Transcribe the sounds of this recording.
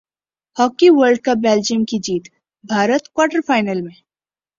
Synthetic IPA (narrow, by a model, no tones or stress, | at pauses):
hɔːkiʋəɾɖ̚kabeːld͡ʒiəmkid͡ʒiːt̪ | bʱaːɾət̪kwaːɾʈəɾfaːɪnəlmẽ